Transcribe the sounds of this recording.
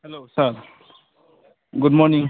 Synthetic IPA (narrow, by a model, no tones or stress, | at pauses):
helosaɾ | ɡʊdmɔɾnĩŋ